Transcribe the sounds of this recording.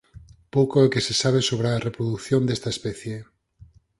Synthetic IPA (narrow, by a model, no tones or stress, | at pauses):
powkoekesesaβ̞esoβ̞ɾearepɾoðuθjond̪est̪aespɛθje